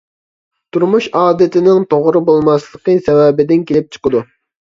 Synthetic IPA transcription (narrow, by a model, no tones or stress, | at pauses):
t̪ʰuɾmuʃɑːd̪ɪt̪ɪnɪŋt̪ʰoʁɾɨbolˠmɑslˠəqəsɛwɛbɪd̪ɪnkʲʰelɪp̚t͡ʃʰə̥qəd̪u